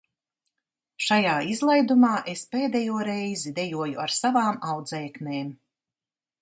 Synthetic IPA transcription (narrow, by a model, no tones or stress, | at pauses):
ʃajaːizlˠajd̪umaːʔespeːd̪ɛjuɔɾɛjzid̪ɛjuɔjuaɾsavaːmawd̪zɛːkneːm